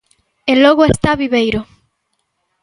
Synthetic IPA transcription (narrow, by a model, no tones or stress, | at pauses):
elɔɣoest̪aβiβejɾo